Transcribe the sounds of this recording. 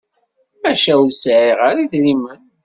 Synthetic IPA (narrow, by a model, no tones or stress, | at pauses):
æʃæwsʕiʁaɾiðɾimən